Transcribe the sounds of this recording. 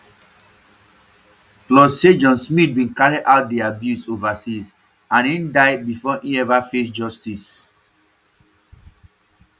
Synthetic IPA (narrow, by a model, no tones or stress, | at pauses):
plɔsed͡ʒɔ̃nsmit̚bĩnkaɹidʔaʊt̚deabjusovasis | ãnĩndaɪbifɔʔĩɛvafes̬d͡ʒɔstis